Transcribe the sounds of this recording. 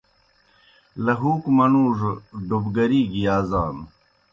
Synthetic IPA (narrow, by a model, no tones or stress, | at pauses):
lɐɦuːkmɐnuːʐɖubɡɐɾiːɡijaːzaːn